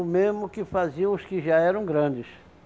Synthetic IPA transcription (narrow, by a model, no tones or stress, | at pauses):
ʊmezmʊkɪfaziɐ̃w̃ʊskɪʒaɛɾɐ̃w̃ɡɾɐ̃d͡ʒɪs